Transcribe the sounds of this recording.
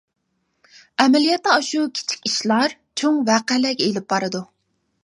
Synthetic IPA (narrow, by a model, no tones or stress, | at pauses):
ɛmɛlijɛt̪ːɛɑʃukʲʰi̥t͡ʃʰi̥kʲiʃlˠɑɾt͡ʃʰoŋvæqælɛkʲelɪp̚bɑɾɨd̪u